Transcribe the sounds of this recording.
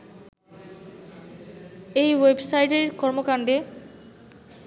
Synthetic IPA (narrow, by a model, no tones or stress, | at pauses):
ejwebsajʈeɾkɔɾmokaɳɖe